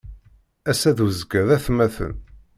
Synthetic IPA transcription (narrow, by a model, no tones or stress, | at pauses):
æsæðuzɡæðæθmæθə̰n